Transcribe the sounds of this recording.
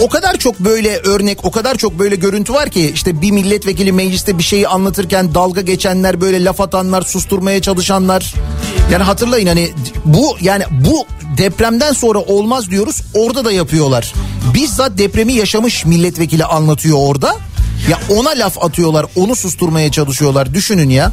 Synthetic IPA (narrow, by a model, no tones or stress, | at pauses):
o̞kad̪aɾt͡ʃʰo̞k̚bø̞jlʲɛʔøɾnɛco̞kad̪aɾt͡ʃʰo̞k̚bø̞jlʲɛɟø̞ɾynt̪ʰyvaɾcʰiiʃt̪ɛbimilʲːɛt̪ve̞c̬ilʲimɛd͡ʒlʲist̪ɛbiʃe̞jianlˠat̪ʰɯɾcænd̪alˠɡaɟe̞t͡ʃʰænlʲæɾbø̞jlʲɛlʲafat̪ʰanlˠaɾsust̪ʰuɾmajat͡ʃʰalˠɯʃanlˠaɾ̥jaːniɦat̪ʰɯɾlˠajɯnhanibujaːnibud̪ɛpɾæmd̪ænso̞nɾaʔo̞lˠmazd̪ijo̞ɾuz̥o̞ɾd̪ad̪ajapʰɯjo̞lˠaɾ̥bizd̪ad̪ɛpɾemijaʃamɯʃmilʲːɛt̪ve̞cʰilʲiʔanlˠat̪ʰɯjo̞ːɾd̪a | jao̞nalʲafat̪ʰɯjo̞lˠaɾo̞nusust̪ʰuɾmajat͡ʃʰalˠɯʃɯjo̞lˠaɾd̪yʃynynja